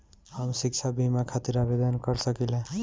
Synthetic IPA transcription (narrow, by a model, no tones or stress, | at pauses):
həmsikt͡ʃʰabʱimakʰat̪iɾabed̪ənkəɾsəkilẽ